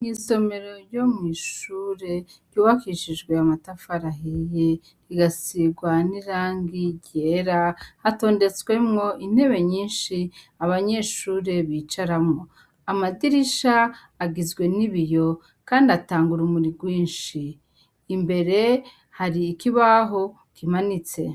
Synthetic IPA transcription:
ŋiːso̞me̞ɾo̞jo̞mŋiːʃuːɾe̞ɾɟuːβakiʃid͡ʒɡwe̞amatafaɾaɦije | ɾiɡasiɡwaniɾaːŋɡiɟe̞ɾahato̞ːnde̞t͡swe̞mŋo̞ʔin̥e̞βe̞ɲiːnʃi | aβaɲe̞ʃuːɾe̞βiːt͡ʃaɾamŋo̞ | amadiɾiʃaː | ɡizɡwe̞niβijo̞ | kaːndiataːŋɡuɾumuɾiɡwiːnʃiː | mbe̞ɾe̞ | haɾiːkiβaɦo̞ | kimanit͡se̞̰

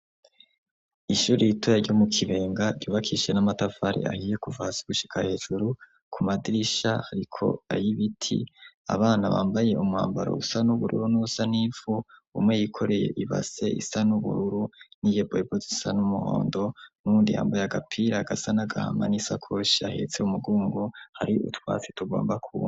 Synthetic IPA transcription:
iʃuːɾijitʰojaɾɟomukʰiβe̞ːŋɡaɟuːβakʰiʃe̞namatafaɾḛʔa̰hiːje̞kuvasiɡ̥uʃi̥kʰahe̞ːʒ̥uɾu | kʰumadiɾiʃahaɾikʰo̞̰a̰jiβitʰḭ | a̰βaːnaβa̰ːmbaje̞umŋaːmbaɾo̰usanuβuɾṵɾunuusanivuṵmŋe̞jikʰo̞ɾe̞je̞̰ʔiβa̰ze̞ʔḭsanuβṵɾuɾunijeboebozisanumuho̰ːndo̞nuːndiha̰ːmbajaɡapʰiɾaɡasanaɡaha̰ma̰nisakʰo̞ʃiahe̞̰t͡seumuɡuːŋɡohaɾiṵtwa̰ːt͡si̥tuɡo̞̰ːmbakʰu

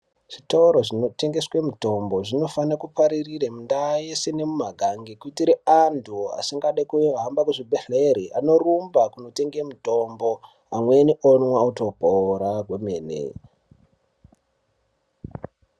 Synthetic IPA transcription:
ʐ̥itauɾo̞ʐino̞te̞ŋɡe̞swemuto̞mbo̞ʐino̞fanakupaɾiriremundajesene̞mumaɡʱaŋɡikuitiɾeantʰua̰siŋɡaɗajkueɦambakuʐibʱeɬeɾiʔa̰no̞rumbakuno̞te̞ŋɡemuto̞mbo̞ | amwenionwauto̞bʱoɾaɡwemeːnḛ

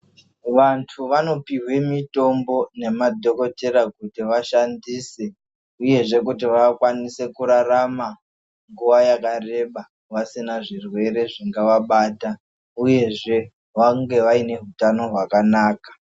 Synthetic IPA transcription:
ʋantʰuʋano̞piwe̞mito̞mbo̞ne̞madʱo̞ko̞te̞ɾakutiʋaʃandiːse | uje̞ʐe̞kutiʋakwanise̞kuɾarama | ŋɡuʋajakare̞ɓa | ʋasinaʐirwe̞ɾe̞ʐiŋɡaʋaɓaːta | uje̞ʐe̞ | ʋaŋɡe̞ʋaine̞ɦutano̞ɦwakanaːkḁ

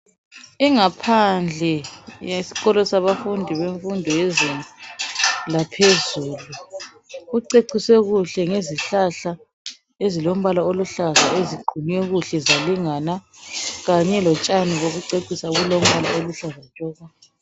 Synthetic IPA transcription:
iŋapʰand͡ɮʱɛjesi̥ɣɔlɔsaβafundʱiβeɱfundʱɔjɛzinʼu | lapʰezuːlu | ɣuǀeǀiswɛɣuɬɛŋeziɬaɬa | ezilom̩βalaoluɬaɣaeziɡ͡ǃʱiniwɛɣuɬɛzaliŋanaɣaɲɛlɔt͡ʃʼaniɣoɣuǀeǀisaɣulom̩βalaoluɬaɣatʼɔːɣa

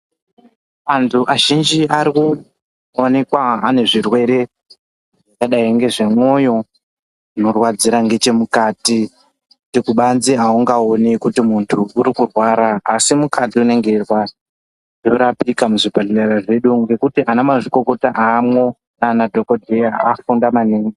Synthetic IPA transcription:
mantʰuʔaʒind͡ʒiaɾiku | one̞kwaane̞ʐirwe̞ɾe̞ | akaɗaiŋɡe̞ʐe̞mwo̞jo̞ | norwad͡ziɾaŋɡe̞t͡ʃe̞mukaːti | utikuɓanziauŋɡaonekutimuntʰuːɾikurwaɾaːsimukatiune̞ŋɡe̞rwa | ʐo̞ɾapikamuʐibʱallaɾaʐe̞ɗuŋɡe̞kutiʔanamaʐiko̞ko̞taʔamwo̞ | nanadʱo̞kodʱejaafundamaneːŋɡi

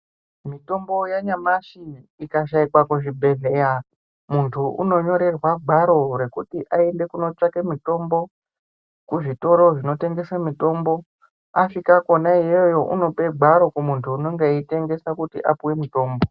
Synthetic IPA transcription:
mito̞mbo̞jaɲamaʃiːkaʃ̬aikwakuʐibʱe̞ɮe̞ːja | muntʰuʔṵno̞ɲo̞ɾe̞rwaɡʱaɾo̞ɾe̞kutiʔae̞nde̞kuno̞t͡ʂakemito̞mbo̞ | kuʐito̞ɾo̞ʐino̞te̞ŋɡe̞samito̞ːmbo̞ | aʃikakonaijojo̞ʔuno̞pe̞ɡ͡bʱaɾo̞kumuntʰuːno̞ŋɡeite̞ŋɡe̞sakutḭʔapuwe̞mito̞ːmbo̞

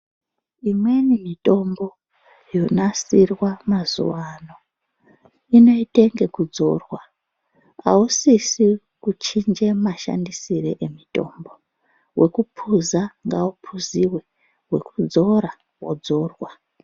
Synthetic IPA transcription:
imwe̞nimitʼo̞mbo̞ | jonasirwamazṵwano̞ | ino̞ite̞ŋɡe̞kud͡zo̞rwa | a̰usisi | kut͡ʃind͡ʒe̞maʃa̰ndisiɾeʔemitʼo̞̰ːmbo̞ | wʔe̞kupʰuzaŋɡaupʰuziwe̞ | we̞̰kud͡zo̞ɾa | wo̰d͡zo̞ːrwa

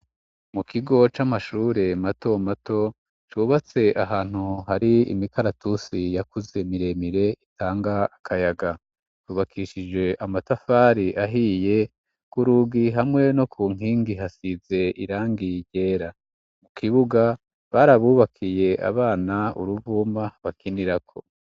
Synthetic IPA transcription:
mukʰiɡo̞t͡ʃamaʃuːɾe̞mato̞mato̞ | t͡ʃuːβat͡se̞ʔaɦaːn̥huhaɾiḭmikaɾatusijakuze̞miɾe̞miɾe̞itʰaːŋɡaːkʰajaɡa | tuːβakʰiʃid͡ʒe̞ʔamatafaːɾiʔaɦije̞ | kuɾuɡiɦamŋe̞no̞kʰuːŋ̥iːŋɡiɦasize̞iɾaːŋɡiɟe̞ːɾa | mukʰiβuɡa | βaɾaβuːβakʰije̞ʔa̰βaːnaṵɾuvuːmaβakiniɾakʰo̞

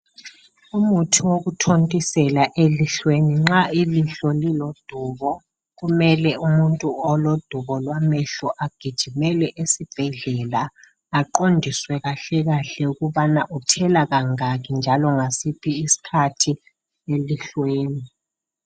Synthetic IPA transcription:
umutʰiwoɣutʰontʼisɛlaʔeliɬweniŋ͡ǁailiɬɔlilod̥ʱuːβɔ | ɣumɛlɛumuntʼuɔlod̥ʱuβɔlwamɛɬɔʔaɡ̥ʱid̥ʒ̥ʱimɛlɛʔesib̥ʱɛɮɛlaː | ǃondʱiswɛɣaɬɛɣaɬɛuɣuβanaʔutʰɛlaɣaŋaɣind͡ʒʱalɔŋasipʰiːsi̥kʰatʰi | eliɬweːni

